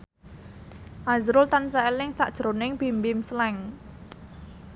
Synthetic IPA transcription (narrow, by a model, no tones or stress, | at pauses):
ʔazɾʊlt̪ansaelɪŋsaʔd̥ʒ̥ɾonɪŋpi̤mbɪmslɛŋ